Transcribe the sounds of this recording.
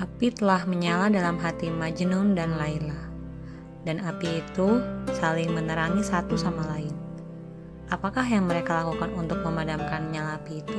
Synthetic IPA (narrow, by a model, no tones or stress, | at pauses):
ʔapit̪əlahməɲaladalamɦat̪imad͡ʒnʊndanlainlah | danapiːt̪usalɪŋmənəɾaŋisat̪usamalaɪn | ʔapakahjaŋməɾekalakukanunt̪ʊk̚məmadamkanɲalapiːt̪u